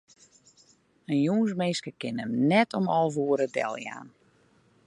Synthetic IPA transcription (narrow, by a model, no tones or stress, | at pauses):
ənjuːnsmeːskəkɪnəmnɛtʰɔmɔlˠvuəɾədɛ̰lˠja̰ːn